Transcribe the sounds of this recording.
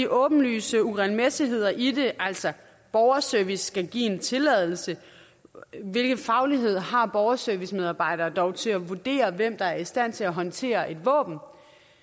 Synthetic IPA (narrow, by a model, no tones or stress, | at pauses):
iʔɔ̽ːb̥n̩ly̰ːsəuʁɛnmesiɦe̝ð̞̰ˠɐʔide̝ʔæl̰sɒ | b̥ɒʊɐsœɐʋisːɡ̥æɡ̥ḭːe̝nt͡sʰe̝lɛð̞ˠl̩sə | ʋe̝lɡ̥ð̩ˠfɑ̈ʊliɦe̝ð̞̰ˠɦɑ̈b̥ɒʊɐsøɐʋismeð̞ˠɑ̈ːb̥ɑ̈ɪ̰ɾ̥ɐːd̥ɒʊt͡sʰe̝æʋud̥e̝̰ːɐʋem̰d̥ɑ̈æɐisd̥æn̰t͡sʰe̝læɦɒ̽nt͡sʰe̝̰ːɐʔe̝d̥ʋɔ̰̽ːb̥n̩